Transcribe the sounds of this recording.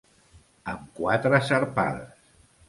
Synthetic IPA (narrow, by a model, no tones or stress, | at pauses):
əmkwat̪ɾəsəɾpa̰ðs